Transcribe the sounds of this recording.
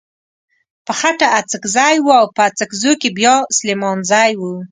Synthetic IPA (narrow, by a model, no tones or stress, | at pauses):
pəxaʈaat͡səkzɑjwuawpəat͡səkzojkebjɑslemɑnzɑjwu